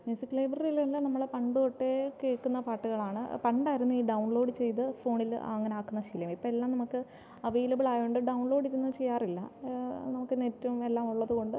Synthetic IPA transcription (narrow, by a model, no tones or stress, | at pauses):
mjusikːɨlɐjbrɐrijilelːanɐmːɐɭepɐɳɖɨkoʈːekeːkːunːɐpaːʈːuɣɐɭaːɳɨ̰pɐɳɖaːjiɾunːuiːɖɐwɳlo̞ːɖɨt͡ɕe̞jt̪ɨfo̞ːɳilɐ̰ŋːɐneaːkːunːɐʂiljɐmipːoːelːaːmnɐmukːɨ | ɐʋejlɐbiɭaːjoɳɖɨɖɐwɳloːɖiɾunːɐt͡ɕe̞jːaːrilːɐ̰nɐmukːɨnetːume̞lːaːmuɭːɐðuko̞ɳɖɨ